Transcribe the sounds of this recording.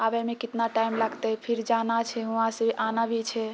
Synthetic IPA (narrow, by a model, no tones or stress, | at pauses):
abemekit̪naʈaimlaɡt̪ɛpʰiɾd͡ʒanat͡ʃʰɛɦuɦãsəbʔanabʱit͡ʃʰɛ